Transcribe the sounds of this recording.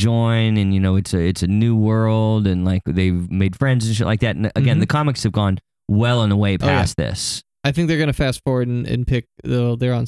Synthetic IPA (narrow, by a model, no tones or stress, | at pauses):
d͡ʒɔ̃ɪ̃nɨ̃njɨnoʊɨtsɨɪtsɨnʉwɜ˞lˠdɨ̃nlaɪkðeɪmeɪd̥fɹɛ̃ndzɨ̃nʃəʔlʔaɪk̚ðætn̩ʔɨɡɛ̃nðɨkʰɑmɨkshɨvɡɔ̃n | wɛlˠə̃nðəweɪpʰæ̰sðɪ̰s | aɪθɪ̃ŋk̚ðə˞ɡʌnɨfæsfɔɹwə˞ɾn̩ɨ̰̃npʰɪk̚ðɨðə˞ə̃n